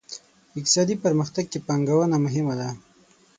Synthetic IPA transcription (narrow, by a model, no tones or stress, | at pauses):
ɪk̚t̪ɪ̥sɑd̪ipəɾməxt̪aɡ̚kepɑŋɡawənamʊɦɪmad̪a